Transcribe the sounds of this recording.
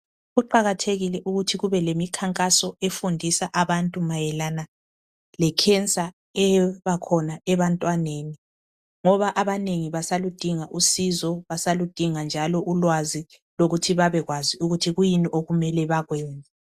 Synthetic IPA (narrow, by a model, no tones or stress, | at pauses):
ɣuǃaɣatʰeɣilɛʔuɣutʰiɣuβɛlemikʰaŋkʼasɔefundʱisaʔaβantʼumajɛlana | lɛkʰɛnt͡sʼa | ɛβakʰɔnaɛβantʼwaneːni | ŋɔβaʔaβaneŋiβasalud̥ʱiŋaʔusizɔβasalud̥ʱiŋand͡ʒʱalɔʔulwazi | loɣutʰiβaβɛɣwaziuɣutʰiɣujiniʔoɣumɛlɛβaɣwɛːnd͡zʱʼɛ